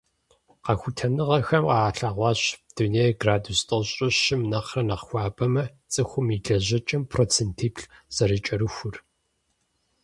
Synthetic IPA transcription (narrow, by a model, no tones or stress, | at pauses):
qɐxʷʊtʰɐnɨʁɐxɐmqɑːɬaːʁʷɑːɕd̥uneːjɡraːdustʰʼoɕʼɪɕɪmnɐqrɐnɐqxʷɑːbɐmɐ | t͡sʼɨxʷʊmiɮɐʑɐt͡ʃʼɐmpʰroːt͡sʰentʰiːpɬz̥ɐɾɨt͡ʃʼɐɾɨxʷʊr